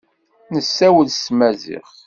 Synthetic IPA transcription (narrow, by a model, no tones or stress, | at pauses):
nəsːæwəlsmæzḭχ